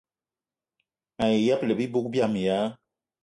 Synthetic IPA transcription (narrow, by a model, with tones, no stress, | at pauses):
a˨je˨ja˦plə˨bi˦bo˦k̚bja˦˨m˨ja˦